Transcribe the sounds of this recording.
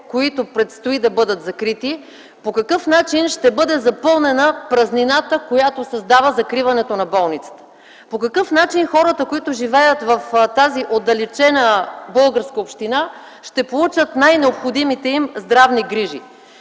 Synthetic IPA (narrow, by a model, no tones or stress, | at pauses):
koit̪opɾɛt̪st̪oid̪ɐbɤd̪ət̪zɐkɾit̪i | pokɐkɤfnat͡ʃinʃt̪ɛbɤd̪ɛzɐpɤlˠnɛnəpɾɐzninat̪əkojat̪osɐzd̪avəzɐkɾivɐnɛt̪onɐbɔlˠnit̪sə̥t̪ə̥ | pokɐkɤfn̪at͡ʃinxɔɾət̪əkoit̪ʊʒivɛjət̪vɐft̪aziʔod̪ɐlɛt͡ʃɛnəbɤlˠɡəɾskəopʃt̪ina | ʃt̪ɛpolˠut͡ʃət̪najnɛopxod̪imit̪ɛimzd̪ɾavniɡɾiʒḭ